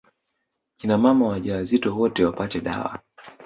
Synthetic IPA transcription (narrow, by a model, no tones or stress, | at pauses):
kinamamawaʄawazitɔwɔtɛwapatɛɗa̰wa̰